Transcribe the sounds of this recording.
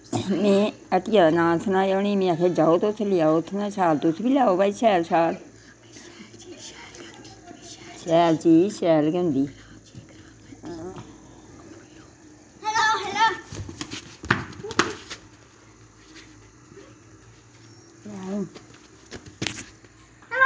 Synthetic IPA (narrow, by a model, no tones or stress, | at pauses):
mẽːəʈijaːd̪aːnãːlsʰənaːjoːniːmẽːəkʰeːd͡ʒaːoːt̪ot̪ʰlɪjaːoːt̪ʰːnãːsaːlt̪ʊsbiːljaːoːbaːiːʃɛːlsaːl | ʃɛːlt͡ʃiːʃɛːlkənd̪iː